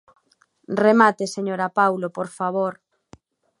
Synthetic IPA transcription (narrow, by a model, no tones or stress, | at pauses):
remat̪eseɲoɾapawlopoɾfaβoɾ